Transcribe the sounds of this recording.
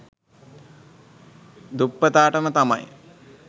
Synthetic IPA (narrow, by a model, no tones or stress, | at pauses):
d̪upːət̪aːʈəmət̪ama̰j